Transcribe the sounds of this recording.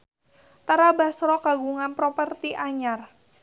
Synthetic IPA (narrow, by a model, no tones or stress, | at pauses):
t̪aɾabasɾɔkaɡuŋanpɾɔpərt̪iʔaɲar